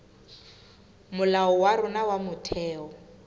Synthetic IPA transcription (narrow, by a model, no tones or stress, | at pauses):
mʊlaɔwarʊnawamʊtʰɛːɔ